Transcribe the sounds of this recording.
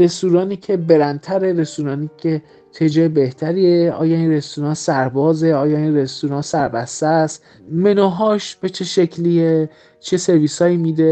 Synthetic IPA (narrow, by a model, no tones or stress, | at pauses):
ɾe̞suːɾɒːniːcʰe̞be̞ɾænt̪ʰæɾeɾe̞suːɾɒːniːkʰe̞ | t̪ʰed͡ʒeːebe̞ht̪ʰæɾieɒ̰ːjɒːinre̞st̪uɾɒːnsæɾbɒːze̞ɒːjɒːinrest̪oɾɒːnsæɾbæst̪est̪ | me̞nɒːɦɒːʃb̥et͡ʃʰeʃecʰlie | t͡ʃʰese̞ɾviːsɒːiːmiːd̪e̞